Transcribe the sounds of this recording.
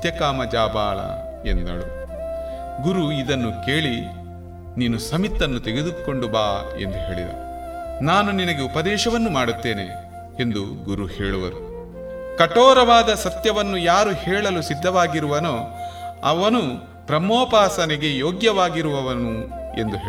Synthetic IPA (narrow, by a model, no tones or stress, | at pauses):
t̪jɐkaːmɐd͡ʒaːba̰ːɭɐ̰ | ḛnd̪ɐ̰ɭṵ | ɡuɾuid̪ɐnːuke̞ːɭi | niːnusɐmit̪ːɐnːut̪eɡed̪uko̞ɳɖubaːe̞̰nd̪uɦe̞ːɭḭd̪ɐ̰ | naːnuninɐɡe̞upɐd̪ɛːʃɐʋɐnːumaːɽut̪ːeːnḛ | end̪u | ɡuɾuhḛːɭuʋɐ̰ɾu | kɐʈɔːɾɐʋaːd̪ɐsɐt̪jɐʋɐnːujaːɾuhɛːɭɐlusid̪ʱːɐʋaːɡiɾuʋɐnoːɐʋɐnu | pɾɐmoːpaːsɐnɛɡe̞joːɡjɐʋaːɡiɾuʋɐʋɐnue̞̰nd̪uɦeː